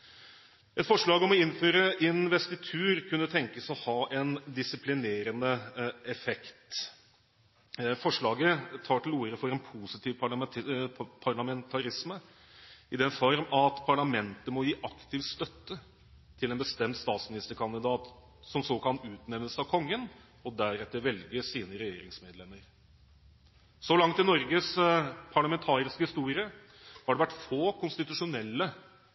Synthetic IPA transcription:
ɛt̪fɔʂɭɑːɡɔmɔɪnːføːɾəʔɪnʋɛst̪ɪt̪ʰʉːɾkʰʉnːət̪ʰɛŋkəsɔhɑːʔɛnd̪ɪsɪpʰlɪneːɾənəɛfɛkt̪ | fɔʂɭɑːɡət̪ʰɑːʈʰɪluːɾəfɔɾɛnpʰuːsɪt̪ʰiːʋpʰɑɭɑ | pʰɑɾɭɑmɛnt̪ʰɑɾɪsmə | ɪd̪ɛnfɔɾmɑt̪pʰɑɭɑmɛnt̪əmɔjiːʔɑkt̪ɪʋst̪œt̪ːə | t̪ʰɪlɛnbəst̪ɛmt̪st̪ɑːt̪smɪnɪst̪əɾkʰɑnd̪ɪd̪ɑːt̪ | sɔmsɔkʰɑnʉːt̪nɛmnəsəɑʋkʰɔŋːən | ɔd̪æɾɛt̪ːəɾʋɛlɡəsiːnəɾɛjeːɾɪ̰ŋsmeːd̪lɛmːəɾ | sɔlɑŋt̪ɪnɔɾɡəspʰɑɭɑmɛnt̪ʰɑːɾɪskəhɪst̪uːɾɪə | hɑɖɛʋæʈːfoːkʊnst̪ɪt̪ʉʂʊnɛlːə

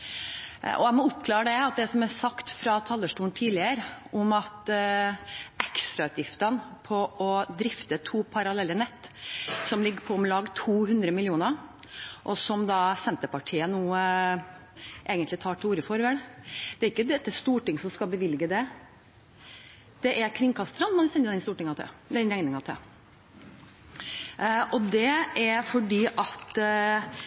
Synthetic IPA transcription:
ɔ̰æmɔʊpːkʰlɑːɾəd̪ɛɑt̪̚d̪ɛsɔmæsɑkt̪fɾɑt̪ʰɑlːəʂʈuːnt̪ʰiːlɪəɾʔʊmɑt̪ | ʔɛkst̪ɾɑʉːt̪jɪft̪ənpʰɔʔɔd̪ɾɪft̪ət̪ʰuːpʰɑɾɑlɛlːənɛt̪ːsɔmlɪɡːəpʰɔɔmlɑːɡt̪ʰuːhʉnd̪ɾəmɪlɪuːnəɾʔɔsɔmd̪ɑːsɛnt̪əpɑʈʰiːənuː | ʔeːɡənt̪lɪt̪ʰɑːʈʰɪuːɾəfɔɾʋɛld̪̥ɛæɾɪkːəd̪ɛt̪ːəst̪uːʈɪŋsɔmskɑlbəʋɪlɡəd̪ɛ | d̪̥ɛʔæɾkʰɾɪŋkʰɑst̪ɾɑnmɑnʋɪsɛnəd̪ɛnst̪uːʈɪŋɑt̪ʰɛ̰d̪ɛnɾɛŋnɪŋɑt̪ʰɛ | ʔɔd̪ɛæɾfɔɖiːʔɑt̪

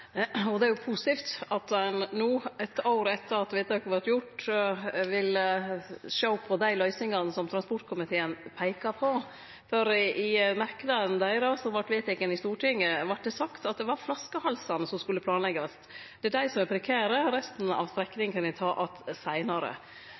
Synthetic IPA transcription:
ɔd̪ɛæɾjʊpʰusɪt̪iːft̪ɑt̪ɛnnuːɛt̪ɑʊɾɛt̪ːəɾɑt̪ʋɛɪt̪ɑkəʋɑʈjʊʈ | ʋɪləʃoʊpʰɔd̪æɪlœʏsɪŋɑnəsɔmt̪ʰɾɑnspɔʈkʰʊmɪt̪ʰeːənpʰæɪkɑpʰɔ | fɔɾɪmæɾkəd̪ɑənd̪æɪɾɑsɔmʋɑʈːʋeːt̪ɪkənɪst̪uːʈɪŋːəʋɑʈ̚ːd̪ɛsɑkt̪ɑt̪̚d̪ɛʋɑɾflɑskəhɑlsɑnəsɔmskʉlːəpʰlɑːnlɛɡɑs | d̪ɛæɖæɪsɔmæɾpʰɾɛkʰæːɾəɾɛst̪n̩ɑ̰ʋst̪ɾɛkːnɪŋkʰɑnʋɪt̪ʰɑːʔɑt̪sæɪnɑɾə̰

